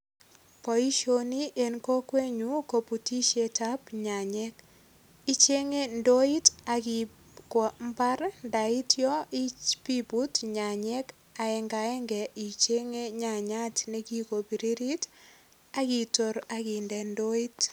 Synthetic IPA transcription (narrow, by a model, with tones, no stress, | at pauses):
pɔ˨i˦ʃo˨ni˦ʔe˨nko˦kwe˦ɲuko˨pu˨ti˦ʃe˨ta˦pɲa˨ɲɛ˦k | i˦t͡ʃe˦ŋe˦ndo˦i˦ta˨ki | kwɔ˨mba˦ɾnda˨i˦tjɔ˦i˦t͡ʃpi˦bu˦tɲa˨ɲɛ˦k | a˨ɛ˨ŋɡa˨ɛ˦ŋɡɛ˨ʔi˨t͡ʃe˦ŋe˦ɲa˨ɲa˦tne˦ki˦ko˨bi˨ɾi˦ɾi˦t | aki˨to˨ɾa˦ki˨ndɛ˨ndo˦i˦t